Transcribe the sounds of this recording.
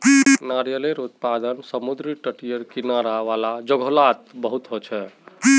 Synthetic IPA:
naɾjəleɾut̪pad̪ənsəmud̪ɾiʈəʈijəɾkinaɾaʋalad͡ʒəɡʱolat̪bəɦut̪ɦot͡ʃʰɛ

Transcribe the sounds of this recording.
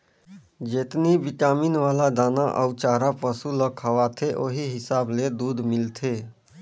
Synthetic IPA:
d͡ʒeːt̪nibɪkaːminʋaːlad̪aːnaʔə̰wt͡ʃaːɾapəsuləkʰəʋaːt̪ʰeʔoːɦiɦɪsaːbled̪uːd̪mɪlt̪ʰeː

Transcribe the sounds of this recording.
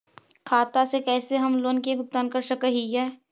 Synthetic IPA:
kʰaːt̪asekɛːseɦɐmloːnkebʱʊk̚t̪aːnkəɾsəkəɦiɛː

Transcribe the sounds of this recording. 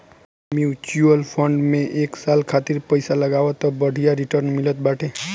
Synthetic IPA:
mjut͡ʃuəlpʰəɳɖmẽʔeksalkʰat̪iɾpəjsaləɡaʋɔt̪ɔbəɽʱijaɾiʈəɾnmilət̪̚baʈʰe

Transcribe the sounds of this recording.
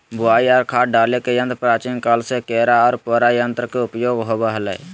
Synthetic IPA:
bʱʊaiaːɾkʰaːʈ̚ɖaːlekejənt̪pɾat͡ʃiːnkalsekeɾaɔːɾpəɾajənt̪ɾəkeupjoɡɦobəɦələ̰j

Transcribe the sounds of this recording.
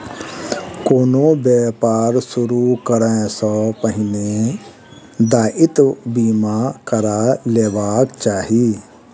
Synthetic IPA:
koːnõbɛːpaːɾsʊɾukəɾɛ̃sɔpəɦɪne | d̪aːʔɪt̪biːmakəɾaːleːbaːkt͡ʃaːɦiː

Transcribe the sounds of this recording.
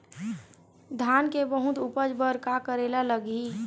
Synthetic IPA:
d̪ʱaːnkebəɦʊt̪upəd͡ʒbəɾkakəɾeːlaləɡi

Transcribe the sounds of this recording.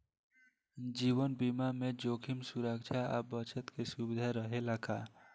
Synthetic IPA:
d͡ʒiːwənbimamẽd͡ʒoːkʰɪmsuɾəkt͡ʃʰaə̰bət͡ʃət̪kesubɪd̪ʱaɾəɦelakʰaː

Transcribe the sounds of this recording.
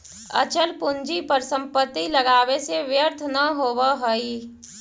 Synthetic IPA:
ə̰t͡ʃəlpʊnd͡ʒipəɾsə̃mpət̪ːiləɡaːʋeseʋjəɾt̪ʰnəɦoːwaɦəi

